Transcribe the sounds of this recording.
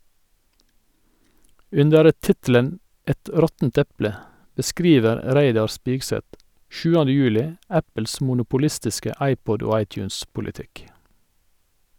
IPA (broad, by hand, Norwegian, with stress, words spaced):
ˈʉndəɾ ə ˈtɪtl̩ən ˈɛt ˈɾɔtn̩t ˈɛplə bəˈskɾiːʋəɾ ə ˈɾæɪdɑɾ ˈspiːɡsɛt ˈʃʉːəndə ˈjʉːlɪ ˈæpəls mʊnʊpʊˈlɪstɪskə ˈɑɪˌpɔd ˈoː ˈɑɪˌtjʉːnspʊlɪˌtɪk